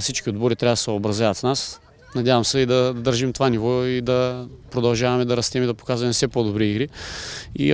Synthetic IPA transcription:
fsit͡ʃkʲiod̪boɾit̪ɾavɐd̪ɐsɛobɾɐzjavɐt̪snas | nɐd̪ʲjavɐmsɛid̪ɐd̪ɐd̪əɾʒimt̪ovanivɔid̪ɐpɾod̪ɐlˠʒavɐmɛd̪ɐɾɐst̪ɛmɛd̪ɐpo̥kazvɐmɛfsɛpod̪obɾiiɡɾiḭ

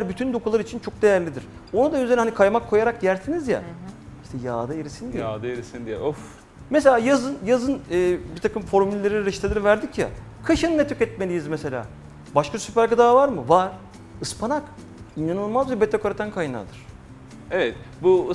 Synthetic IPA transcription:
æɾbyt̪ʰynd̪okʰulˠaɾit͡ʃʰint͡ʃʰo̞k̚d̪ejæɾlʲid̪iɾ̥ | onud̪anyzeɾnhanikʰajmakʰːo̞jaɾakɟæɾt̪ʰinizja̰iʃt̪ʰɛjaːd̪aeɾisind̪ijaːd̪aeɾisind̪ijɛ̰of | mes̬elʲaːjazɯnjazɯnɯːbit̪ʰakɯmfo̞ɾmylʲelʲeɾiɾiʃt̪ʰelʲiɾivæɾd̪icja̰ | kʰaʃɯnɯnɛt̪ʰykɛt̪̚melʲijizmese̞lʲa̰ː | baʃkasypæɾkad̪aːvaɾmɯvaɾ̥ | ɯspʰanak | inj̪anolˠmazbɛbɛt̪ʰːakʰaɾat̪ʰankʰajna̰d̪ɯɾ̥ | evɛt̪bu

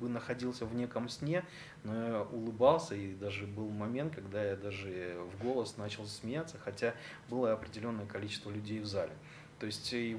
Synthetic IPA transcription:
bɨnəxɐdʲilˠsʲəvnʲe̞kəmsʲnʲe̞ | nojaʔʊlˠɨbɑlˠsʲəid̪aʐɨbɨlˠmɐmʲe̞nt̪̚kɐɡd̪ajad̪aʐɨvɡo̞lˠəsnat͡ɕɪlˠsʲmʲɪjat̪səxɐtʲa | bɨlˠəɐpɾʲɪdʲɪlʲo̞nːəjəkɐlʲit͡ɕɪst̪vəlʲʉdʲejvzalʲɪ | t̪o̞ɪsʲtʲɪ

